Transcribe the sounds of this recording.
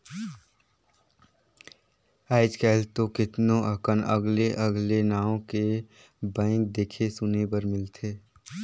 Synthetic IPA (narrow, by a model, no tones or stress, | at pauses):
aːɪd͡ʒkɛːlt̪okɪt̪nõʔəkənəɡleʔəɡlenaːõke | bãɪ̃ŋk̚d̪eːkʰesʊnebəɾmɪlt̪ʰeː